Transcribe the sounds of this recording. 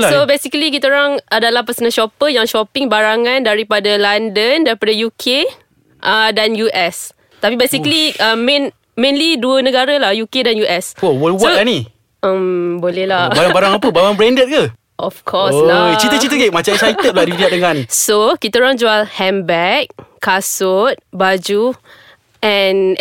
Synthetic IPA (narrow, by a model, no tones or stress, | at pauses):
lasobesikəlik̬it̪əɾaŋʔadalahpəsənaʃɔpəjaŋʃɔpɪŋbaɾaŋãndaɾipadalandəndaɾipadajukʰe | ʔədanjuʔɛs | t̪apibesikliʔəmẽn | mẽnliduənə̃ɡaɾəlahjukedanjuʔɛsowəlswɔoani | əmbolɛhlabaɾaŋbaɾaŋapəbawaŋbɾɛndət̪̚kə | ʔɔfkʰɔslat͡ʃit̪ət͡ʃit̪̬əɡeʔ̚mat͡ʃat͡ʃait̪ət̪̚laʔdibiat̪̚dəŋanisokit̪əɾaŋd͡ʒualhɛmbɛk̚kasot̪̚bad͡ʒu | ʔɛn